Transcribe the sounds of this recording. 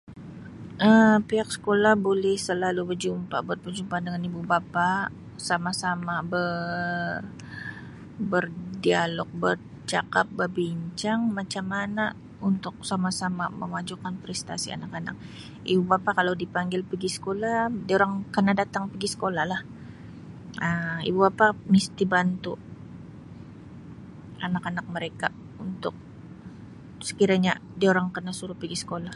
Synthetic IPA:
ʔəpeak̚sə̥kolahbolɛhsəlalubərd͡ʒumpa̰bər̚bərd͡ʒumpandəŋanibubapa | samasamabə | r | bərdialɔk̚bər | t͡ʃakap̚bərbiɲt͡ʃaŋmat͡ʃamːana | unt̪ʊk̚samasamaməmad͡ʒukanpɾɛst̪asia̰nakana̰k̚ | ibubapakalawdipaŋɡɪlpəɡisə̥koladioɾaŋkənadat̪aŋpəɡisə̥kolahlah | əḭbubapamist̪ibant̪u | anakanak̚məɾeka | unt̪ʊk̚ | sə̥kiɾaɲadioɾaŋkənasuɾʊhpiɡisə̥kolah

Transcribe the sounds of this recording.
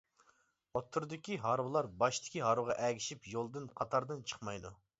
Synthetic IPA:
ot̪ʰːuɾd̪ɨkʲiɦɑɾwlˠɑɾbɑʃt̪ʰɪ̥kʲiɦɑɾwʊʁɑʔɛɡʲiʃipjolˠd̪ɨnqʰɑt̪ʰɑɾd̪ɨnt͡ʃʰə̥χmɑjd̪u

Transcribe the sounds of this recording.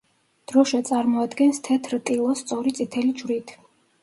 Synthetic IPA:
d̪̥ɾɔʃat̪sʼaɾmɔad̪ɡɛnst̪ʰɛt̪ʰɾt̪ʼilˠɔst̪sʼɔɾit̪sʼit̪ʰɛlid͡ʒwɾit̪ʰ

